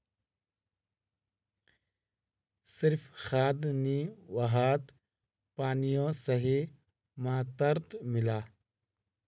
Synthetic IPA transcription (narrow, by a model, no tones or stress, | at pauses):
sɪɾfxaːd̪niwɐɦaːt̪ | paːnijõsɐɦi | maːt̪ɐɾt̪mɪlaː